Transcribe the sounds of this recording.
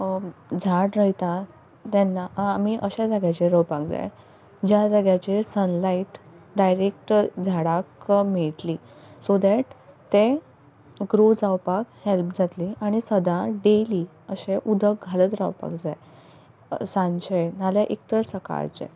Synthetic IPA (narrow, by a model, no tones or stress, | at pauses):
d͡zʱaʈɾəjt̪a | t̪ɛnːaːmiʔəɕad͡zaɡjat͡ɕeɾəwpakd͡za̰j | d͡ʑjad͡zaɡjat͡ɕesənlaiʈɖajɾek̚ʈd͡zʱaɽakmeʈliː | sod̪ɛʈt̪e | ɡɾod͡zawpakhelp̚d͡zʱat̪liaɽ̃isəd̪aɖeliː | əɕeʔud̪ʱək̚ɡʱalət̪ɾa̰wpa̰kd͡zaj | sãnɕenaljaʔek̚t̪əɾsəka̰ɾt͡ɕa̰